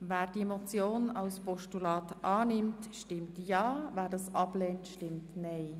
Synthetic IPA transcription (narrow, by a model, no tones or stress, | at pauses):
vɛːɾd̥iemot͡sjoːnɑʊspɔʃtulɑːtʔɑːnɪmtʃtɪmtjɑːvæːɾdɑːsʔɑbleːntʃtɪmtneɪ